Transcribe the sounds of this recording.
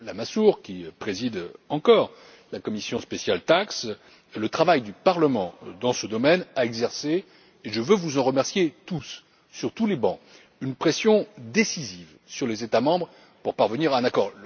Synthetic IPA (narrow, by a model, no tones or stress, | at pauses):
lamasuʁkʲipχezid̪ɑ̃kɔʁ | lakɔmisjɔ̃spesjalt̪aks | lət̪χavajd̪ypaʁləmɑ̃d̪ɑ̃səd̪ɔmɛnaɛɡzɛʁseː | ʒəvøvuzɑ̃ʁəmɛʁsjet̪usː | yʁt̪ulebɑ̃ | ynpχesjɔ̃d̪esiziv | syʁlezet̪amɑ̃bʁ | puʁpaʁvəniʁaɛ̃nakɔːʁ